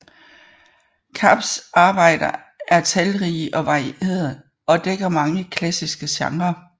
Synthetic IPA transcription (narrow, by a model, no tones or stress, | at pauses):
kʰɑb̥sɑ̈ːb̥ɑ̈ɪ̰d̥ɐ | æɐt͡sʰɛlʁiːʔɒ̽ʋɑ̈iʔe̝ððɐ | ɒ̽d̥eɡ̥ɐmɑ̈ŋəkʰlæsisɡ̥əɕɑ̈ŋɐ